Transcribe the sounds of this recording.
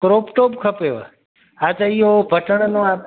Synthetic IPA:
kɾopʈopkʰəpeʋa | ad͡ʒaijobʱəʈəɳnõa

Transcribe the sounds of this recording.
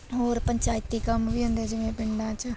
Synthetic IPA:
ɦoːɾpəɲt͡ʃaːɪt̪ːiːkəmʋiːɦʊ̃nd̪ɛːd͡ʒɪʋẽpɪɳɖãːt͡ʃ

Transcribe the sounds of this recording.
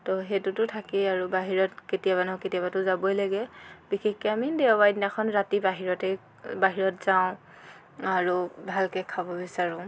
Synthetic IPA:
tɔɦetʊtʊtʰakɛaɹubaɦiɹɔtketijabanɔketiabatʊzabɔjlaɡɛbixexkɔamideabajdinakʰɔnɹatibaɦiɹɔtɛ | baɦiɹɔtzaʊ̃ | aɹubʱalkɛkʰabɔbisaɹɔ̃

